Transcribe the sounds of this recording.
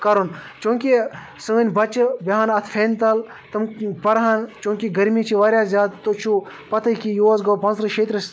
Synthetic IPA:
kɐɾunt͡ʃõːŋkʲi | sɨʋənʲbɐt͡ʃbiɦaːnɐt̪ʰfʰeːnʲt̪ɐl | t̪ɨmpɐɾɦaːnt͡ʃũːŋkʲiɡɐɾmiːt͡ʃʰiʋaːɾʲjaːzʲjaːd̪t̪ot͡ʃʰu | pɐt̪ʰəjkijoːɐsɡɐːpɐ̃nsɾɨʃeːt̪ɾɨs

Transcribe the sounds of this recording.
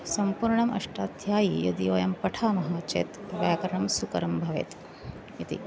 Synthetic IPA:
sɐmpuɾɳɐmɐ̰ʂʈaːd̪ʱjaːjijɐd̪iʋɐjɐmpɐʈʰaːmɐɦɐmɐt̪t͡ʃḛːt̪ʋjaːkɐɾɐɳɐmsukɐɾɐmbʱɐʋḛːt̪ | it̪ḭ

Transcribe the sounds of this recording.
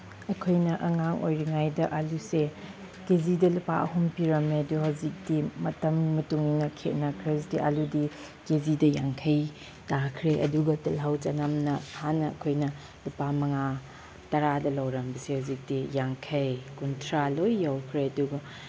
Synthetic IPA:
ɐkʰojnɐʔɐŋaŋʔo̰jɾiŋajdɐʔaluse | kezidɐlupa̰ʔɐɦumpiɾɐmeɐduhawzik̚dimɐtɐmːɐtuŋninɐkʰet̚nɐkʰɾezdiʔa̰ludi | kezidɐjaŋkʰɐj | takʰɾeʔɐ̰duɡɐtɐlɦawt͡ʃɐnɐmnɐhanːɐɐ̰kʰojnɐ | lupamɐŋa | tɐɾadɐlawɾɐmbɐsehawzik̚d̥ijaŋkʰɐjkuntʰɾalojːawkʰɾeɐduɡɐ

